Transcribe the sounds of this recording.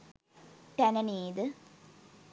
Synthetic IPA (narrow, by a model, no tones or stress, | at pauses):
ʈɐnɐniːd̪ɨ